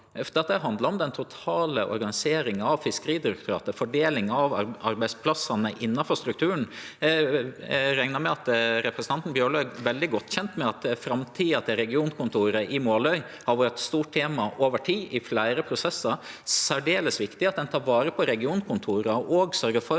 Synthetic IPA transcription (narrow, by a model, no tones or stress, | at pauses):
ɛft̪əɑt̪ːɛɦɑnd̪ləɾɔmd̪ɛnt̪ʰʊt̪ʰɑːləʔɔ̰ɾɡɑnɪseːɾɪŋɑʋfɪskəɾiːd̪ɪɾɛk̚t̪ʰʊɾɑ̰ːt̪əfɔɖeːlɪŋɑʋɑɾbæɪspʰlɑsɑnəʔɪnːɑfɔɾst̪ɾʉk̚t̪ʰʉːɾən̩ | ɾæŋnɑmɛɑt̪ɾɛpɾɛsən̩ɑnt̪n̩bjøːɭøːɡʋɛld̪ɪɡɔt̪ːçɛnt̪mɛɑt̪fɾɑmt̪ʰiːɑt̪ʰɛɾɛɡɪuːnkʰʊnt̪ʰuːɾəʔɪmoːlœʏ | hɑɾʋɑɾət̪st̪uːʈ̚ʈʰeːmɑʔoːʋəʈʰiːʔɪflæɪɾəpʰɾʊsɛsːɑɾsæɖeːləsʋɪkt̪ɪɑt̪̚d̪ɛnt̪ʰɑːɾʋɑːɾəpʰɔɾɛɡɪuːnkʰʊnt̪ʰuːɾəʔoːɡsœɾɡəfɔɾ